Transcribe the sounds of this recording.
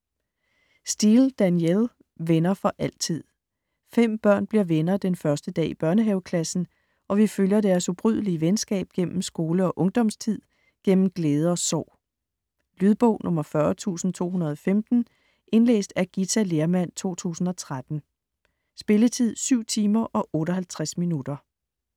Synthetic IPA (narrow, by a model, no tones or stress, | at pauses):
sd̥ild̥ænjel | ʋenɐfɒ̽ʔæl̰t͡sʰið̰ˠ | fem̰b̥ɶɐ̰nb̥liɐ̰ʋenɐd̥enfɶɐsd̥əd̥ɛ̰ːib̥ɶɐnəɦɛʊkʰlæsn̩ | ʔɒ̽ʋiføljɐd̥æɐsub̥ʁyð̰ˠliəʋensɡ̥ɛ̰ːb̥̚ɡ̥en̰m̩sɡ̥o̝ːləɒ̽ʔɔ̽ŋd̥ɒ̽mst͡sʰið̰ˠ | ɡ̥en̰m̩ɡ̥leːð̞ˠəɒ̽sɒ̰ʊ̰ | lyð̞ˠb̥ɔ̰ʊ̰nʔɔ̽mɐfɶɐt͡sʰṵːsn̩t͡sʰo̝̰ːɦunɐð̞ˠɒ̽femd̥n̩ | ʔe̝nlḛːsd̥æɐɡ̥it͡sʰæle̝ɐmæn̰t͡sʰo̝̰ːt͡sʰṵːsn̩ɒ̽t͡sʰʁad̥n̩ | sb̥e̝lət͡sʰið̞̰ˠsyʊ̰t͡sʰiːmɐʔɒ̽ʔɔ̽ːɾɒɦælt͡sʰʁasminud̥ɐ